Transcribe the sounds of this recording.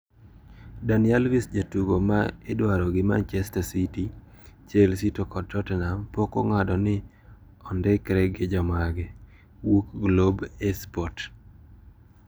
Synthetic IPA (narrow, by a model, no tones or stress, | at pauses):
danɪalvisd͡ʒatuɡomaɪdwaɾɔɡɪma̰nt͡ʃɛstasiti | t͡ʃelsitokɔd̚tɔtnampokoŋadɔnɪ | ɔndɛkɾɛɡɪd͡ʒɔmaɡɛ | wukɡlobɛspɔt